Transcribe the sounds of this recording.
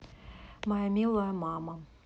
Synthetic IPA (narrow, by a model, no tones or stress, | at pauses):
mɐjamʲilˠɐjɐmamɐ